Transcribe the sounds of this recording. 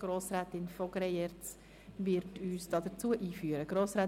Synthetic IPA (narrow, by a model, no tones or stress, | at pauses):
ɡ̥ɾoːsɾæːtɪnfɔɡ̥ɾɛjɛɾt͡s | vɪɾtʰyːsd̥ɑːd̥ət͡suəʔiːfyːəɾəɡ̥ɾoːsɾæː